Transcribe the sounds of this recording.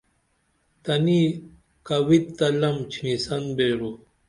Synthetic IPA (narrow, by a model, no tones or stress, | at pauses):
t̪ɐni | kɐwit̪ːɐlɐmt͡ɕʰinisɐnbeːɾu